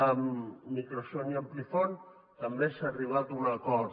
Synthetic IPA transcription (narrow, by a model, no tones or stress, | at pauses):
əmːikɾosoniəmplifon | t̪ambesaːriβ̞at̪unakɔ